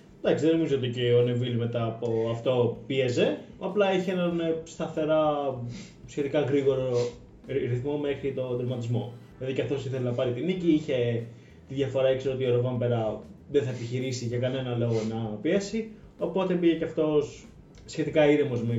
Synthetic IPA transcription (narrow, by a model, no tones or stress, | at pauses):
d̪ɐksiðeno̞mizoot̪iceone̞vilme̞t̪ɐːpoɐft̪o̞pieze̞ɐplɐiçeenɐnst̪ɐθe̞ɾɐ | sçe̞t̪ikɐɣɾiɣo̞ɾo | ɾiθmo̞mexɾit̪o̞d̪ɾomɐt̪izmo̞ | lɐðicɐft̪o̞siθelenɐpɐɾit̪iniciiçe̞ | t̪iðʝɐfo̞ɾɐekseoo̞t̪ioɾovɐmpeɾɐðeθɐepiçiɾisiʝɐkɐne̞nɐlo̞ɣonɐpiesi | opo̞t̪e̞piʝeceɐft̪o̞s | sçe̞t̪ikɐiɾemo̞zme